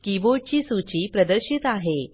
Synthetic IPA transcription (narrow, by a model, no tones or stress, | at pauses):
kiʋoɽt͡ɕiːsut͡ɕiːpɾəd̪əɾɕit̪aɦe